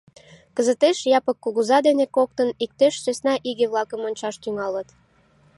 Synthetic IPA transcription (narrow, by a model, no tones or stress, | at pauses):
kəzət̪eʃjɑpəkːuɣuzɑd̪enekok̚t̪ənik̚t̪eʃsesnɑʔiɣeβlɑkəmonʲt͡ɕɑʃt̪yŋɑlət̪